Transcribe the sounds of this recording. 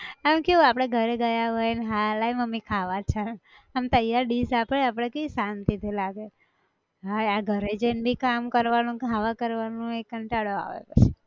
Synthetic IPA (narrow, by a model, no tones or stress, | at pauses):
amkiuapɽ̃eɡʱəɾeɡəjaʋəjnɦalajməmikʰaʋat͡ʃʰa | amt̪əjaɾɖisapəɭeapɽ̃ekisant̪id̪ʱilaɡe | ɦaaɡʱəɾed͡ʒenbʱikamkəɾʋanũkʰaʋakəɾʋanũekːəɳʈaɽoa̰ʋḛpə̰t͡ʃʰe̥